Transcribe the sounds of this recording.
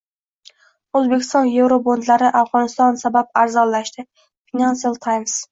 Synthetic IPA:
ɵzbe̞kʲʰɪ̥st̪ɒnje̞vɾobond̪laɾɪʔafʁɒnɪst̪ɒnsabap̚aɾzɒllːaʃt̪ʰɪ | finansialˠt̪ʰajms

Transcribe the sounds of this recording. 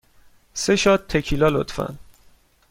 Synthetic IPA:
se̞ʃɒːt̪ʰːekʰilɒːlo̰t̪fæ̰n

